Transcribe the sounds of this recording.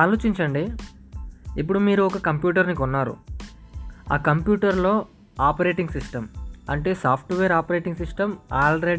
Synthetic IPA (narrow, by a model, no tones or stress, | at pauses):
aːlo̞ːt͡ʃiɲt͡ʃɐɳɖi | ip̬ːuɽumiːɾuɔkɐkɐmpjuːʈ̬ɐɾnikunːaːɾṵ | a̰ːkɐmpjuːʈɐɾlo̞ː | aːpɐɾe̞ːʈiŋɡsiʂʈɐmɐ̰ɳʈe̞ːsaːpʰʈʋeːɾaːpɐɾe̞ːʈiŋɡsiʂʈɐmaːlɾe